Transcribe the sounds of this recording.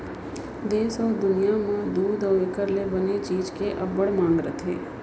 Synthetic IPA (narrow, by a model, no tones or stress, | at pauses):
d̪eːsɔːɾd̪ʊnijamãd̪uːd̪ɔːɪkəɾlebənet͡ʃiːd͡ʒkeʔəbəɽmãːŋɡɾə̰t̪ʰḛː